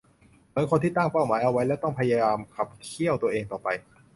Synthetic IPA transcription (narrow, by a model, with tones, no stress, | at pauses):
mɯ˩˦˥nkʰo˧nt̪iː˥˩t̪aː˥˩ŋpa˥˩wmaː˩˦jʔa˧wa˦˥jlɛː˦˥˩wt̪ɔ˥˩ŋpʰa˧ja˧jaː˧mkʰa˨˩p̚kʰi˥˩əwt̪u˧ɐʔeː˧ŋt̪ɔː˨˩pa˧j